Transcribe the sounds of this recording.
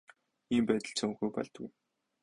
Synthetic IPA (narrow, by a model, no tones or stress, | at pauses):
iːmpæːt̪ə̆ɮt͡sʰɵŋxujpɔ̰ɮt̪ɡṵj